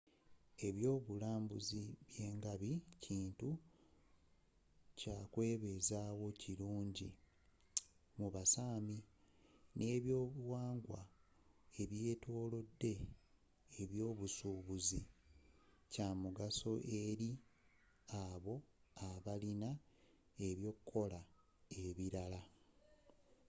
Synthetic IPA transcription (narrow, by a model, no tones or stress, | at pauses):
e̞βjo̞ːβulaːmbuziβje̞ːŋɡaβiciːntu | caːkwe̞ːβe̞zaːwo̞ciluːɲɟi | muβasaːmi | nʔe̞ːβjo̞ːβuwaːŋɡwa̰ | e̞βje̞ːto̞ːlo̞dːe̞ː | βjo̞ːβusuːβuzi | camuɡaso̞ʔeɾi | aβo̞aβalina | e̞βjo̞ːkukʰːo̞la | eβiɾala